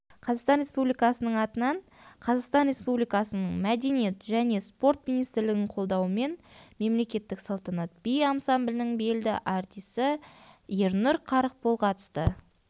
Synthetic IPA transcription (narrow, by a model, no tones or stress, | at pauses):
qʰɑzɑʁst̪ɑnɾʲe̞spublijkɑsənəɴɑt̪ənɑɴ | qʰɑzɑʁst̪ɑnɾe̞spublijkɑsənəɴmæd̪e̞nije̞t̪ʒæne̞spo̞rt̪minijst̪ɪɾlɪɡʲɪɴqʰo̞lˠd̪ɑwəme̞nme̞mle̞kʲe̞t̪ːɪksɑlˠt̪ɑnɑt̪̚bijɑmsɑmblʲɪnɪŋbe̞ld̪ɪʔɑɾt̪ijsɪjeɾnʊɾqʰɑɾəq̚bʰolˠqʰɑt̪ə̥st̪ə